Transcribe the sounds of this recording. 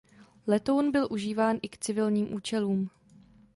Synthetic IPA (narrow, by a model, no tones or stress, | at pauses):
lɛt̪o̞wnbɪlʔuʒiːvaːnʔɪkt͡sɪvɪlɲiːmʔuːt͡ʃɛluːm